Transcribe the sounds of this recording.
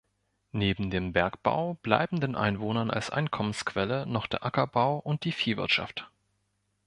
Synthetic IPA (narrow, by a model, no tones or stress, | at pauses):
neːbm̩deːmbɛɐkb̥a̰ʊb̥la̰ɪbm̩deːnʔa̰ɪnvoːnɐna̰lsʔa̰ɪnkʰɔmənskv̥ɛlənɔχd̥eːɐʔakɐbaʊʔʊnt̚d̥iːfiːvɪ̰ɐtʃa̰ft